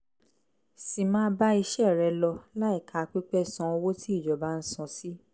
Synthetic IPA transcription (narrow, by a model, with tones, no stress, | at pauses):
si˨mãː˦ba˦i˧ʃɛ˦˨ɾɛ˨˧lɔ˧la˦i˦˨kʰa˨˧k͡pi˦k͡pɛ˦˨sɔ̃˧˦o˧wo˦ti˦i˦˨d͡ʒɔ˨ba˨˦n̩˦sɔ̃˧˦si˦